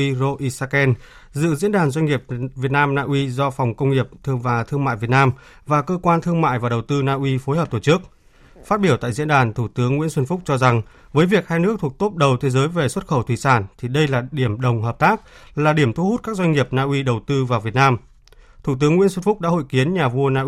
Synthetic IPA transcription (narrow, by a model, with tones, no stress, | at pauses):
i˧zo˧ʔi˧saː˧kɛ˧n | zɨ̰˧˨zḭ˧˥ənɗaː˨˩nzwa˧ŋ̟ŋi˨˩əp̚vi˨˩ət̚naː˧mnaː˧ʔwi˧zɔ˧fa˨˩wŋ͡mkə˧wŋ͡mŋi˨˩əp̚t̪ʰɨ˧əvaː˨˩t̪ʰɨ˧əŋma̰ː˧˨jvi˨˩ət̚naː˧m | vaː˨˩kəː˧kwaː˧nt̪ʰɨ˧əŋma̰ː˧˨jvaː˨˩ɗə˨˩wt̪ɨ˧naː˧ʔwi˧fo˨˦jɦəː˨˩p̚t̪ːt͡ɕɨ˦˥ək̚ | faː˦˥t̚ɓi˧˩əwt̪a̰ː˧˨jzḭ˧˥ənɗaː˨˩nt̪ʰu˧˩t̪ɨ˨˦əŋːw̰i˧˥ənsə˧nfʊ˦˥k͡p̚t͡ɕɔ˧za˨˩ŋ | vəː˨˦jvi˨˩ək̚haː˧jnɨ˦˥ək̚t̪ʰu˨˩ək̚t̪o˦˥p̚ɗə˨˩wt̪ʰe˨˦zəː˨˦jve˨˩swə˦˥t̚xə˧˩wt̪ʰwi˨˩saː˧˩nt̪ʰi˨˩ɗə˧jlaː˨˩ɗi˧˩əmɗə˨˩wŋ͡mɦəː˨˩p̚t̪aː˦˥k̚laː˨˩ɗi˧˩əmt̪ʰu˧hu˦˥t̚kaː˦˥k̚zwa˧jŋŋi˨˩əp̚naː˧ʔwi˧ɗə˨˩wt̪ɨ˧vaː˨˩wvi˨˩ət̚naː˧m | t̪ʰu˧˩t̪ɨ˨˦əŋːwi˧˥nswə˧nfʊ˦˥k͡p̚ɗaː˧˥ho̰˧˨jki˨˦ənɲaː˨˩vu˧ənaː˧ʔi˧